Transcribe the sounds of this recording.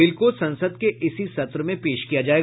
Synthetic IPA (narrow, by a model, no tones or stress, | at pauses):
ɪlkosɐ̃nsəd̪̚keʔɪsisɐt̪ɾəmẽpeːʃkijad͡ʒaːeːɡ